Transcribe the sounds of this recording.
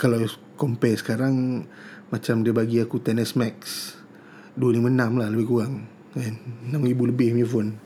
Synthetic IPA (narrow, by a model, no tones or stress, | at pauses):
kala | kɔmpɛsə̥kaɾaŋ | mat͡ʃamdiabaɡiakut̪ɛnəsmɛks | duənɪmənamlahləbɪhkuɣaŋ | ɛnnamibuləbɪhmifʊn